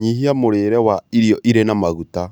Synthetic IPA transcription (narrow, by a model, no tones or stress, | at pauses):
ɲiɦiamoɾeːɾɛwaiɾiɔʔiɾenamaɣuta